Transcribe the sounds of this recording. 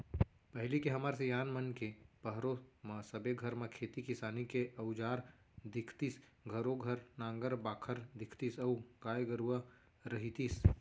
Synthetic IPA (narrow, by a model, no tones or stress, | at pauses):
pɐɦlikeɦɐmaːɾsejaːnmənkepɐɦɾomãsəbeɡʱəɾmãkʰeːt̪ikɪsaːnikeʔɐʊd͡ʒaːɾ | d̪ɪkʰt̪is | ɡʱəɾoɡʱɐɾnãːŋɡəɾbaːkʰəɾd̪ɪkʰt̪isɐːkaːjɡəɾua | ɾɐɦit̪is